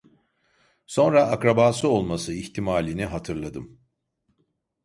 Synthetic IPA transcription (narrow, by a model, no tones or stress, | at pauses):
so̞nɾaʔːkɾabaːsɯo̞lˠmasɯiçt̪ʰimaːlʲiniɦat̪ʰɯɾlˠad̪ɯm